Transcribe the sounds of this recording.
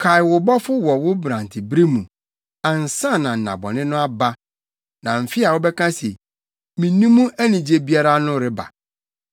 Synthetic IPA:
kʰa˨ɪ˨wʊ˨bɔ˦fʊ˦wɔ˨wʊ˦bɾã˨n˨tʰɪ˨bɾi˦mũ˨ | ã˨n̩˨sã˦˨nã˨n̩˨nã̰˨bɔ̰˨nɪ̃˦nʊ̃˦a˦ba˦ | nã˨m̩˨fɪ˦a˨wʊ˦bɛ˦kʰã˦se˨ | mĩ˨nũ˦mũ˦ʔæ˦nĩ˨d͡ʑe˦bi˦a˦ɾa˦nʊ̃˦ɾɪ˦ba̰˨

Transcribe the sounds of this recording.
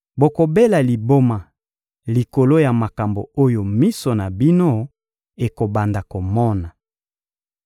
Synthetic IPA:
bo˨ko˨be˦la˨li˨bo˦ma˨ | li˨ko˨lo˦ja˨ma˨ka˨mbo˨o˦jo˨mi˦so˨na˨bi˦no˦ | e˨ko˨ba˨nda˨ko˨mɔ˦na˨

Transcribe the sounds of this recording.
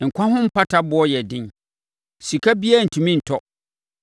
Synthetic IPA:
ŋ̩˨kʷʰã˦ɦʊ̃˦m̩˦pʰa˦tʰa˦bʊ˦ɔ˦jɛ˨dɪ̃˦n | si˨kʰa˦bi˦a˦˨n̩˨tʰũ˨mĩ˦n̩˨tʰɔ˦

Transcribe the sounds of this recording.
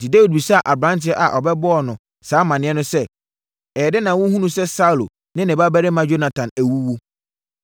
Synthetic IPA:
di˨de˦wi˨d̚bi˨sa˦˨ʔa˨bɾã˦ntʰɪ˦ɛ˦ʔa˨ʔɔ˨bɛ˦bɔ˦ɔ˨nʊ̃˨ | saː˨˦mã˨nɪ̃˦ɛ˦nʊ̃˦sɛ˦ | ɛ˨ɛ˨dɪ˦nã˨wʊ̃˦hũ˦nũ˨sɛ˦sa˦u˨lo˨ | nɪ̃˦nɪ̃˨ba˦bæ˦ɾɪ˦mã˦d͡ʑo˦nã˨tʰã˨næ˨wu˦wo˦

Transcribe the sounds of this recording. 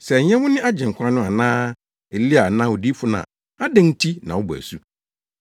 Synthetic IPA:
sɛ˨ɲɛ̃˦mʊ̃˦nɪ̃˦ʔa˦d͡ʑɪ̃˨ŋ̩˨kʰʷã˦nʊ̃˦a˨nãː˦ | ɛ˨li˦a˨nã˦wʊ˨di˦fʊ˦nã̰˨ | a˦dɛ̃˦n˦tʰi˦nã̰˨wɔ˦bæ̰˨su˦

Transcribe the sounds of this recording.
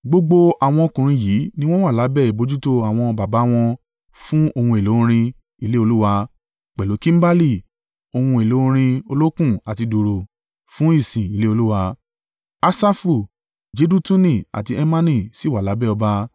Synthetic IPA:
ɡ͡bo˧ɡ͡bo˧a˨w̃ɔ̃˧o˧kũ˨ɾ̃ĩ˧jiː˨˦nĩ˦w̃ɔ̃˦wa˦˨la˨˦bɛ˦˨i˨bo˨˧˦d͡ʒu˦to˦a˨w̃ɔ̃˧ba˨ba˨˦w̃ɔ̃˧ | fũ˦o˧hũ˧e˨lõ˨˦˧ɾ̃ĩ˧ | i˧le˦o˧lu˦wa˧ | k͡pɛ˨lo˨˦kĩ˦m̩˦ba˦li˦˨ | o˧hũ˧e˨lo˨˦ɾ̃ĩ˧o˧lo˦kũ˦˨a˨ti˧do˨ɾo˨ | fũ˦i˦˨sĩ˨i˨˦le˦o˧lu˦wa˧ | a˧sa˦fu˨ | d͡ʒe˧˦du˦tũ˦nĩ˨a̰˨ti˧ɛ˧mã˦nĩ˦˨si˦˨wa˨la˨˦bɛ˦˨ɔ˧ba˧

